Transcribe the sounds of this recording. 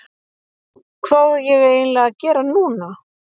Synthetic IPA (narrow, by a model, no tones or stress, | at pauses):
kʰvaðjɛɣeːjnlɛɣacɛːɾanuːna